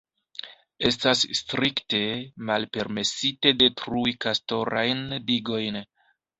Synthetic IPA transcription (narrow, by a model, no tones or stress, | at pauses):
e̞stasstɾikte̞malpe̞ɾme̞site̞de̞tɾujkasto̞ɾajndiɡo̞jn